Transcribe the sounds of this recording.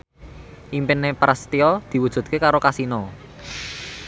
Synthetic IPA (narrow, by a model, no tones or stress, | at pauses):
ʔimpɪnːepɾast̪iɔd̪̥i̤wud̥ʒ̥ṳt̪̚kekaɾokasinɔ